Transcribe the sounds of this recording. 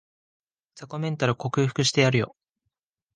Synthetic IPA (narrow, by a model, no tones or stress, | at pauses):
sakomẽ̞nt̪aɾɯ̟ko̞kɯ̟ːɸɯ̟̥kɯ̟ɕi̥t̪e̞jaɾɯ̟jo̞̰